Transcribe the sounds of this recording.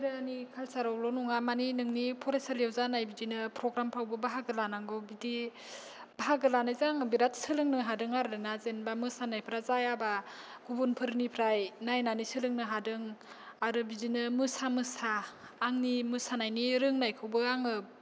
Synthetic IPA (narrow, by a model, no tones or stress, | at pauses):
ɾɯnikʰalsaɾawlɔnuŋamaninɯŋnipʰɔɾesaɾjewzanajbidinɯpɾɔɡɾampʰawbɯbaɦaɡɯlanaŋɡɯbidi | b̥aɦaɡɯlanajzaŋɯbiɾatsɯlɯŋnɯɦadɯŋaɾɯnazenbamɯsanajpʰɾazajaba | ɡ̥ubunpʰɯɾnipʰɾajnajnanisɯlɯŋnɯɦadɯŋ | aɾɯbidinɯmɯsamɯsaː | ŋnimɯsanajniɾɯŋnajkʰɯwbɯaŋɯ